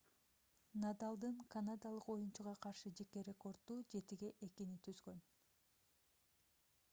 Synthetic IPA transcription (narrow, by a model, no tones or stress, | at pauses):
nad̪alˠd̪ɯɴkanad̪alˠɯqo̞junt͡ʃuʁɑqʰɑɾʃɯd͡ʒe̞ke̞ɾʲe̞ko̞rd̪ːuːd͡ʒe̞t̪iɡe̞ʔe̞kinit̪ʰyzɡø̞n